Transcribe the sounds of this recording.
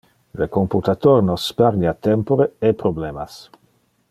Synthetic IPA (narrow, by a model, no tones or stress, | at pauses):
lekomput̪at̪oɾnɔsːpaɾɲat̪ɛmpoɾeepɾoblɛmas